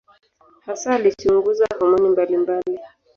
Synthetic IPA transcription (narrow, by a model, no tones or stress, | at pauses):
hasaːlit͡ʃuŋɡuzahɔmɔnimbalimbali